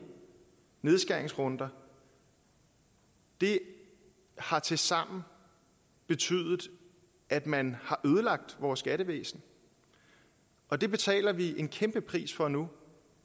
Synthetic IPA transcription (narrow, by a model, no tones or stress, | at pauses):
ne̝ð̞ˠsɡ̥æɐeŋsʁɔ̽nd̥ɐ | d̥e̝ | hɑ̈t͡sʰe̝lsɑ̈m̰n̩ | b̥e̝t͡sʰy̰ðˠð̩ˠ | æd̥mænhɑ̈ʔøːð̞ˠəlɑ̈ɡ̥̚d̥ʋɒːsːɡ̥æɾəʋḛːsn̩ | ʔɒ̽d̥e̝b̥e̝t͡sʰɛ̰ːlɐʋiʔe̝nkʰemb̥əpʰʁḭːsfɒ̽nu